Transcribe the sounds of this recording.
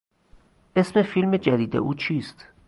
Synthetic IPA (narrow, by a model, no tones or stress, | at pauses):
ʔe̞smefilme̞d͡ʒæd̪iːd̪ḛʔuːt͡ʃʰiːst̪